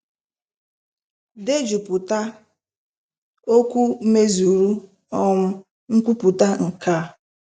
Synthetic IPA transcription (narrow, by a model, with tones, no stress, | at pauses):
de˦d͡ʒu˨pʊ˨ta˦ | o˦kʷu˦m̩˦me˦zu˨ɾu˦ | ɔ˦mʊ˦ | ŋ̩˦kʷu˦pʊ˨ta˦ŋ̩˨ka˦˨